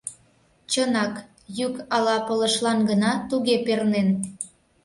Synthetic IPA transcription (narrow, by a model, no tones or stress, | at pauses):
t͡ɕənɑk | jykɑlɑpələʃlɑnɡənɑt̪uɣepernen